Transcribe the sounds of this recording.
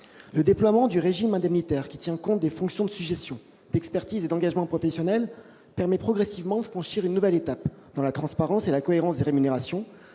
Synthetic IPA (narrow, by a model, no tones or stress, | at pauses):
ləd̪eplwamɑ̃d̪yʁeʒimɛ̃d̪ɛmnit̪ɛʁkʲi̥t̪jɛ̃kɔ̃t̪̚d̪efɔ̃ksjɔ̃d̪əsyʒest̪jɔ̃ | d̪̥ɛkspɛʁt̪ized̪ɑ̃ɡʲaʒmɑ̃pχɔfɛsjɔnɛl | pɛʁmɛpχɔɡʁesivmɑ̃d̪əfχɑ̃ʃiʁynːuvɛlet̪ap | d̪̥ɑ̃lat̪χɑ̃spaʁɑ̃selakɔeʁɑ̃sd̪eʁemyneʁasjɔ̃